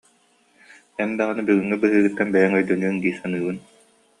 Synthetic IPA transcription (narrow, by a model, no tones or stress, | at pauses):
ɛnd̪aɣɯnɯbyɡyŋːɛbɯɦɯːɡɯt̪ːɛnbɛjɛŋœjd̪œnyːŋɡiːsanɯːbɯn